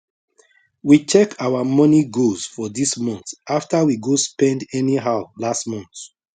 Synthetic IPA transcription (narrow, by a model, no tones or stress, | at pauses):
wit͡ʃɛkʰawamɔniɡozfɔdismɔ̃nθaftawiɡospɛ̃ndɛniɦaʊlastmɔ̃nt